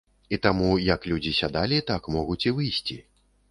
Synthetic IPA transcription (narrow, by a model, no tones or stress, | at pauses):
it̪amujɐklʲud͡zʲisʲad̪alʲit̪akmɔɣut͡sʲivɨjsʲt͡sʲi